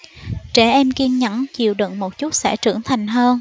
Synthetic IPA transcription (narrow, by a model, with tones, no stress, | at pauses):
t͡ɕɛ˧˩ʔɛ˧mki˧ənɲə̰˧˥nt͡ɕi˨˩əwɗɨ̰˧˨ŋmo˨˩t̚t͡ɕu˦˥t̚sɛ̰˧˥t͡ɕɨ˧˩əŋt̪ʰa˨˩jŋ̟ɦəː˧n